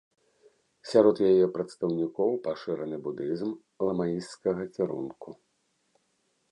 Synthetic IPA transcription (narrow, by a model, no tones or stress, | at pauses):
sʲaɾɔd̪jajɛpɾɐt̪st̪ɐwnʲikɔwpaʂɛɾɐnɨbud̪ɨzm | lˠɐmajist̪kɐɣɐkʲiɾṵnku